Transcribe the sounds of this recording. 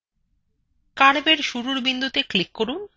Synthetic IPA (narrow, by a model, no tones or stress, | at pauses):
kaɽbeɾʃuɾuɾbind̪ʱut̪eklikːoɾun